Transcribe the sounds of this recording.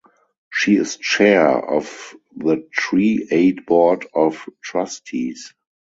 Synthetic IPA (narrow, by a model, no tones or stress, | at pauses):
ʃiːɪst͡ʃɛɔ̰f | ðətʰɹiːeɪtbɔdɔftʰɹastʰis